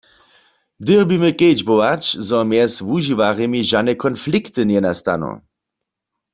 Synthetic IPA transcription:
d̪ɪʁbimɨkejd͡ʒbowat͡ʃzɔmjɛsvuʒiʋaʁɛmiʒanɛkʰɔnflikt̪ɨnjɛnast̪a̰nɔ̰

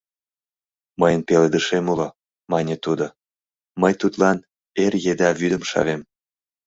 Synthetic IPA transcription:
məjənpeled̪əʃemulo | mɑnʲet̪ud̪o | məjt̪ut̪lɑn | erjed̪ɑβyd̪əmʃɑ̰βem

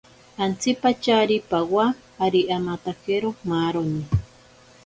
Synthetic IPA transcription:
ant͡sipat͡ʃaɾipawaː | ɾiʔamat̪akeɾomaɾoni

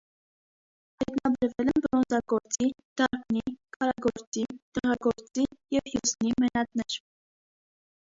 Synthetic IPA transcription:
hɑjt̪nɑbɛɾvɛlɛnbɔɾɔnd͡zɑɡɔɾt͡sid̪̥ɑɾkʰnikʰɑɾɑɡɔɾt͡sit̪ɛʁɑɡɔɾt͡sijɛvjusnimɛnɑt̪nɛɾ

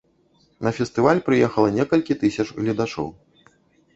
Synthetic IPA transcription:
nɐfʲɛst̪ɨvalʲpɾɨjɛxɐlˠɐnʲɛkɐlʲkʲit̪ɨsʲɐt͡ʂɣlʲɐd̪at͡ʂɔ̰w

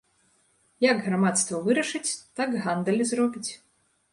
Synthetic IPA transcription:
jɐɡɣramat̪st̪vɐvɨɾɐʂɨt͡sʲt̪aɡɣand̪ɐlʲizrɔbʲit͡sʲ

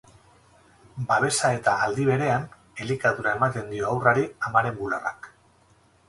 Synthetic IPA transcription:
baβ̞e̞sae̞t̪aːld̪iβ̞e̞ɾe̞an | e̞likaðuɾae̞mat̪e̞nd̪io̞awraɾiamaɾe̞mbulara̰k

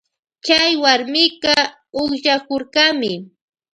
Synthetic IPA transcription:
t͡ʃajwaɾmɪkɑ | oχʃakoɾɢamɪ

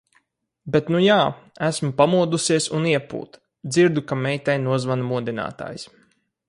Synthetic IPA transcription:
bet̪nujaːæsmupamuɔd̪usiɛsuniɛpṵːt̪ | d̪ziɾd̪ukamɛjt̪ɛjnuɔzvanmuɔd̪ina̰ːt̪a̰ːjs

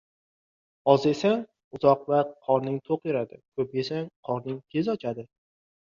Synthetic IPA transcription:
ɒzesaŋ | ʊzɒq̚vaqʰɒɾnɪŋt̪ʰoqeɾad̪ɪkʰɵp̚e̞saŋqʰɒɾnɪŋkʲʰe̞zɒt͡ʃʰad̪ɪ

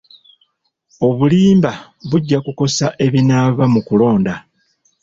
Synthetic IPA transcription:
o̞βuliːmba | βuɟːakuko̞saʔe̞βinaːβamukulo̞ːnda

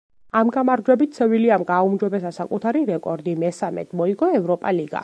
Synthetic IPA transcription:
amɡamaɾd͡ʒwɛbit̪t̪sʰɛviliamɡaumd͡ʒɔbɛs̬asakʼut̪ʰaɾiɾɛkʼɔɾd̪imɛsamɛ̰t̪ʰmɔiɡɔɛvɾɔpʼaliɡa̰

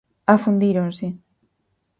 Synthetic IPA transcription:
afund̪iɾonse

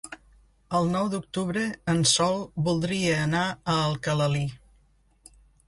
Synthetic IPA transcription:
əlˠnɔwd̪uk̚t̪uβɾəənsɔlˠbulˠd̪ɾiəːnaəːlˠkələli

